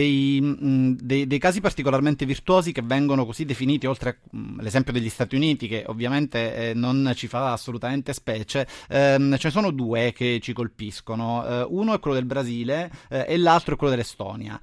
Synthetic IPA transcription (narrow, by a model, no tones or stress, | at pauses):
ej | d̪ejd̪ejkaːzipart̪ikolarment̪evirt̪wɔːzikevːɛŋɡonokozid̪ːefiniːt̪iolt̪ɾea | lezɛmpjod̪eʎːist̪aːt̪iuniːt̪ikeʔo̰vːjament̪enont͡ʃifaːsːolut̪ament̪espɛːt͡ʃe | t͡ʃenes̬oːnod̪uːeket͡ʃikolpiskonouːnoɛkʷːwelːod̪elbɾaziːleʔelːalt̪ɾoɛkːwelːod̪elːest̪ɔ̰ːnja̰